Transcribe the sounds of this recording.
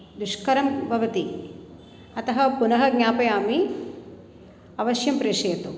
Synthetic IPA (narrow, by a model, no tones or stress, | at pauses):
d̪uʃkɐɾɐmbʱɐʋɐt̪i | ɐt̪ɐɦɐpunɐɦɐɡɲʲaːpɐjaːmi | ɐʋɐʃjɐmpɾeːʂeːt̪u